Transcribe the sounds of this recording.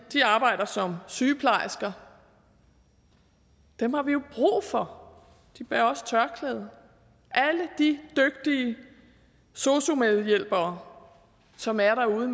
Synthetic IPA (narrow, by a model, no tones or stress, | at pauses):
d̥iɑ̈ːb̥ɑ̈ɪ̰d̥ɐsɒ̽msyːpʰlɑ̈ɪsɡ̥ɐ | d̥emhɑ̈ʋijo̝b̥ʁṵːfɒ̽ | d̥ib̥eɐɒ̽st͡sʰɶɐkʰlɛːðˠɐ | ʔæləd̥id̥øɡ̥̚d̥iə | so̝so̝með̞ˠjel̰b̥ɐː | sɒ̽mæɐɾɑuːð̞ˠəm